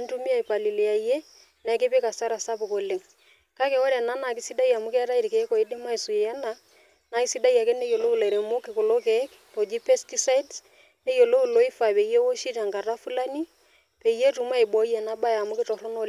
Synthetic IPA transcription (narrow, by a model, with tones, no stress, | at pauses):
a˦ntu˦mi˦a˨i˨pa˨li˨le˨a˨je˦ | na˨˦ke˦pe˦ka˨sa˦ɾa˨sa˦pʊ˨ko˨le˨ŋ | ka˦kɛ˨wɔ˦ɾɛ˨na˦na˨kɪ˦si˦da˦ja˨mʊ˦kɛ˦ɾa˦i˨ɾke˨˦ko˨i˦dɪ˦ma˦i˨su˨jɛ˨jɛ˦na˦ | na˦ɪ˦si˦da˦ja˨kɛ˦ne˦jo˨lo˦u˦˨la˨ɾe˨mo˦kɪ˨ko˨lo˦kɛ˦k | to˨d͡ʒi˦pɛ˦sti˦sa˦i˦ds | ne˦jo˨lo˦u˨lo˦ɪ˦fa˨pe˨je˦wo˦ʃi˦ta˨ŋka˨ra˦fu˦la˦ni˦ | pe˨je˦tu˨˦m˦a˦i˨bɔ˨˦je˨na˦ba˦ja˨mʊ˦kɪ˦tɔ˨ɾo˦no˦